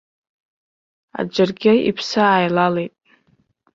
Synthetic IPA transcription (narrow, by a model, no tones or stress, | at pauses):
a̰d͡ʒarɡʲaḭpʰsaajlalejtʼ